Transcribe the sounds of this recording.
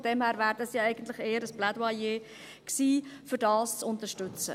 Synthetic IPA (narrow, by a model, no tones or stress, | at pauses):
d̥ɛmhæːɾvæːɾdɑsjɑɛɪɡ̥ən̩t̪lɪχeːəɾəsb̥ladwɑjeː | ksiːfʏɾdɑːst͡sʊntəʃtʏt͡sə̰